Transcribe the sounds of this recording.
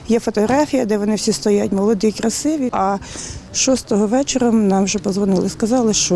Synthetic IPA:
jɛfɔt̪ɔɦɾɑfʲijɐd̪ɛʋɔnɪwsʲist̪ɔjat̪̚ʲmɔlˠɔd̪ɪkɾɐsɪʋʲiɐ | ʃɔst̪ɔɦɔʋɛt͡ʃeɾɐnɑmʒɛpɔzʋɔnɪlˠɪskɐzɑlˠɪʃt͡ʃɔ

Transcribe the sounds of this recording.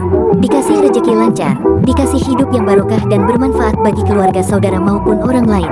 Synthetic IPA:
dikasɪhrəd͡ʒəkilaɲt͡ʃardikasɪhhidʊpjaŋbaɾokahdanbərmanfaʔat̪̚baɡikəluarɡasaudaɾamaupʊnoɾaŋlaɪn

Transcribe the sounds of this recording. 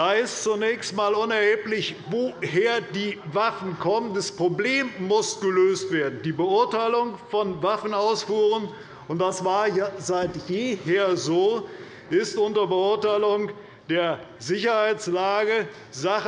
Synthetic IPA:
d̥aɪst͡sunɛːçstmaːlʊnɛɐhɪːplɪçvoːhɦeːɐdiːvafn̩kʰɔməndaspʁ̥obleːmːʊsɡ̥əløːstv̥eːɐdn̩diːbəʊɐtaɪlʊŋfɔnvafn̩aʊsfuːʁən | ʊnt̚d̥asv̥aːɐjazaɪtjeːɦeːɐzoː | ʔɪstʔʊntɐbəʊɐtaɪlʊŋ | d̥eːɐ | zɪçɐhaɪt͡slaːɡə | za

